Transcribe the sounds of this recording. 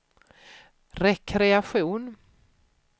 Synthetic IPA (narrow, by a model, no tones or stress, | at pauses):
ɾɛkʰɾɛaɧuːn